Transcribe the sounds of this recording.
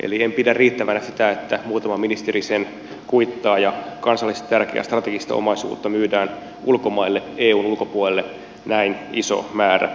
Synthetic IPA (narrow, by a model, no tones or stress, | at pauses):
ʔḛliempidærriːt̪ːæʋænæsit̪æet̪ːæmuːt̪ɑmɑminist̪eɾisen | kuit̪ːɑːjɑkɑnsɑlːist̪ɑt̪ærkeæ̰st̪rɑt̪eɡist̪ɑ̰o̰mɑisṵːt̪ːɑmyːdæːn | ulkomɑilːeeːuːnulko̞puolelːe | næiniso̰mæːræ̰